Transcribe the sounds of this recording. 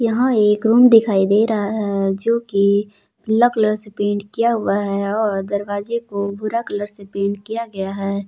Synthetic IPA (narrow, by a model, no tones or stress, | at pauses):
jɐɦãeːkɾuːmd̪ɪkʰaːid̪eːɾɐɦaɦɛd͡ʒoːki | ləkləɾsepẽːɳɖkijaɦʊaɦɛɔːɾd̪ɐɾʋaːd͡ʒekobʱʊɾakləɾsepeːɳɖkijaɡɐjaɦɛː